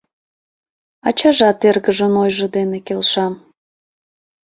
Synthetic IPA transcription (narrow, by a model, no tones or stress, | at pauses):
ɑt͡ɕɑʒɑt̪erɣəʒənojʒəd̪enekelʃɑm